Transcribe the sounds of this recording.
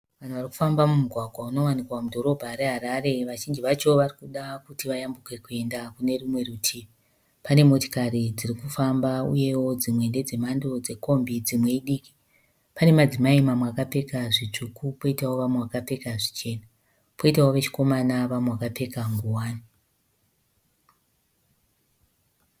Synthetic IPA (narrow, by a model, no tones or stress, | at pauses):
ʋan̤uʋaɾiku̥fambamumuɡʱwaɡʱwauno̞wanikwamudʱo̞ɾo̞bʱaɾe̞ɦaɾaɾe̞ʋaʒind͡ʒiʋat͡ʃo̞ʋarikuɗakutiʋajambukwe̞kue̞ndakune̞rumwe̞rutʰiːi | pane̞mo̞ti̥karid͡zirikufambaṵje̞wo̞d͡zimwe̞nde̞d͡ze̞mando̞d͡ze̞ko̞mbid͡zimwe̞iɗiːki̥ | pane̞mad͡zimaimamwakape̞kaʐit͡ʂukupo̞itawo̞ʋameʋakape̞kaʐit͡ʃe̞ːna | po̞itawoʋe̞t͡ʃi̥ko̞manaʋamweakape̞kaŋɡuwaːni